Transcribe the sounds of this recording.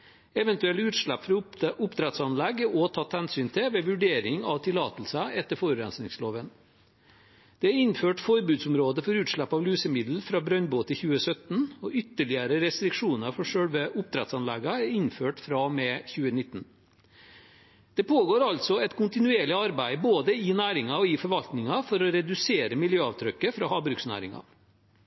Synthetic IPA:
ɛʋɛnt̪ʉɛlʉːt̪ʂɭæpːfɾɑʔʊpd̪ɾɛt̪sɑnlɛɡɔt̪ʰɑːt̪hɛnsyːnt̪ʰɪʋɛʋʉɖeːɾɪŋɑʋt̪ʰɪlɑːt̪l̩səɛt̪ːəfoːɾʉɾɛ̰nsnɪŋsloːʋən | d̪̥ɛæɾɪnføːʈfɔɾbʉːd̪sʊmɾoːd̪əfɔɾʉːt̪ʂɭæpːɑʋlʉːsəmɪd̪l̩fɾɑːbɾœnboːt̪ʰɪlçʉːəsœt̪n̩ɔʔʏt̪ːəɭɪəɾəɾɛst̪ɾɪkʂuːnɑɾfɔʂœɽʋəʔʊp̚t̪ʰɾɛt̪sɑnlɛɡɑæɾɪnføːʈfɾɑmeːçʉːənɪt̪ːn̩ | d̪̥ɛpʰoːɡoːɾɑlt̪sɔɛt̪kʰʊnt̪ɪnʉeːɭɪɑɾbæɪboːd̪əɪnæːɾɪŋɑɔɪfɔɾʋɑlt̪nɪŋɑfɔɾɔɾɛd̪ʉseːɾəmɪljøːɑʋt̪ʰɾœkːəfɾɑːhɑːbɾʉksnæ̰ːɾɪ̰ŋɑ̰

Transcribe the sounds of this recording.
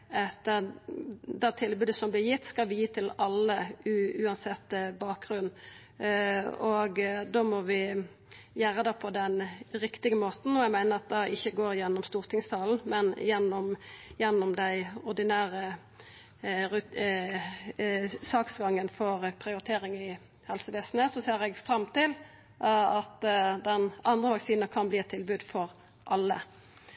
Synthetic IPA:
ɛt̪ə | d̪æt̪ʰɪlbʉːd̪əsɔmblɪʁjɪt̪ːskɑlʋɪjiːt̪ʰɪlɑlːəʉʉːɑnsɛt̪ːbɑːk̚ɡʁʉnː | ɔɡd̪oːmɔʋɪ | jæɾəd̪ɑːpʰɔd̪ɛnɾɪkt̪ɪɡəmoːt̪n̩ɔæɡmæɪnəɾɑt̪̚d̪ɑɪçːəɡoːɾjɛnːɔmst̪uːʁt̪ʰɪŋst̪ʰɑːln̩mɛnjɛnːɔmjɛnːɔmd̪æɪɔʁd̪ɪnæːɾə | ʉ | sɑːksɡɑŋːənfɔʁpʰɾɪʊɾɪt̪ʰeːɾɪŋɪ | hɛlsəʋeːsn̩əsɔseːʁɛɡfɾɑmt̪ɪl | ɑt̪d̪ɛnɑnd̪ʁəʋɑksiːnəkʰɑnbliːɛt̪ʰːɪlbʉːd̪fɔɾ | ʔɑlːə̰

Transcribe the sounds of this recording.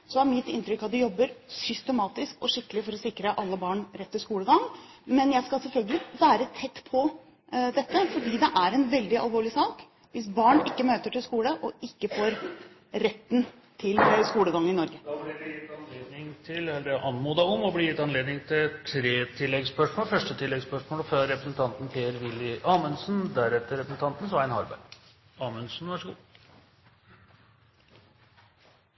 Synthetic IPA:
sɔæɾmɪt̪ːɪnt̪ɾʏkːɑt̪̚d̪ɛjɔbːəɾsʏst̪əmɑːt̪ɪskɔʂɪkːəlɪfɔɾɔsɪkɾəʔɑlːəbɑːɳɾɛt̪ːɪlskuːləɡɑŋːmɛnjæɪskɑsɛlfœlɡəlɪʋæːɾət̪ʰɛt̪ːpʰɔ | d̪ɛt̪ːəfɔɖiːd̪ɛʔæɾɛnʋɛld̪ɪɑ̰lʋoːɭɪsɑːk | ʋɪs̬bɑːɳɪkːəmøːt̪əʈɪlskuːləʔɔɪkːəfoːɾ | ɾɛt̪ːn | t̪ʰɪlskuːləɡɑŋːəɪnɔɾɡəd̪ɪjɪt̪ːɑnleːd̪nɪŋt̪ʰɪlɛd̪ɛʔɑnmuːd̪ɑɔmɔblɪjɪt̪ːɑnleːd̪nɪŋt̪ʰɪt̪ʰɾeːt̪ʰɪlːɛɡspœʂmoːlfœʂʈət̪ʰɪlːɛɡspœʂmoːlføɾɛpɾəsn̩t̪ʰɑnt̪npʰeːəɾʋɪlːɪʔɑːmʉnsn̩d̪æɾɛt̪ːəɾɛpɾəsn̩t̪ʰɑnt̪n̩sɔʋɑɾænhɑɾbæ̰ | ɑːmʉnsn̩ʋæʂəɡṵː

